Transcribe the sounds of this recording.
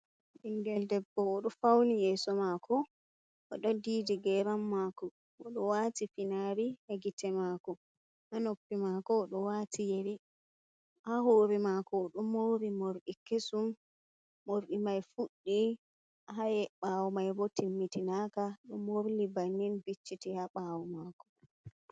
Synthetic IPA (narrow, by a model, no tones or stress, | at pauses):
ɗiŋɡɛldɛbːɔɔɗɔfawnijɛsɔmakɔ | ʔɔɗɔdiːdiɡɛɾamːakɔ | ʔɔɗɔwatifinaɾiheɡitɛmaːkɔ | hanopːimakɔːɗɔwatʰijeɾi | haɦoːɾimakɔɗumoɾimoɾɗikesumː | oɾɗimajfuɗːi | ɦajɛɓaːwumajbotimːitinaːkaɗɔmoɾlibanːinbit͡ʃːitihaɓawɔmakɔ̥